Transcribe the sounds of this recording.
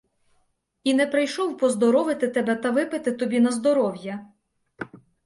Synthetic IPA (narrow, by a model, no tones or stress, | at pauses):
inɛpɾɪjʃɔwpɔzd̪ɔɾɔʋɪt̪ɪt̪ɛbɛt̪ɐʋɪpɪt̪ɪt̪ɔbʲinɐzd̪ɔɾɔwjɐ